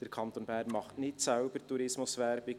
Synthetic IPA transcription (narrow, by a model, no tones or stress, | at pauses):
d̥əɾkʰɑnt̪onbæːɾnmɑχtnɪtsaʊb̥əɾtuɾɪsmʊsvɛɾbɪ